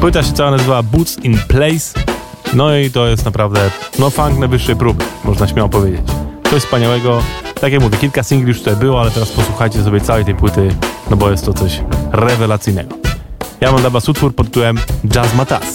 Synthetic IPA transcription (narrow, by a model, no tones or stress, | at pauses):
pwɘt̪aɕɛt̪awanazɨvavabut̪sinplɛjs | nɔit̪ɔjɛst̪napɾavd̪ɛnɔfaŋknajvɘʂːɛjpɾubɘmɔʐnaɕmʲjawɔpɔvʲjed͡ʑet͡ɕt̪sɔɕspaɲawɛɡɔt̪akjakmuvʲjɛkʲilkasʲiŋɡlʲjuʂt̪ut̪ajbɘwɔalɛt̪ɛɾaspɔswuxajt͡ɕɛs̬ɔbʲɛt̪sawɛjt̪ɛjpwɘt̪ɘnɔbɔjɛst̪ːɔt̪sɔɕɾɛvɛlat̪sɘjnɛ̰ɡɔjamamd̪abasut̪fuɾpɔt̪ːuwɛmd͡ʐazmat̪a̰s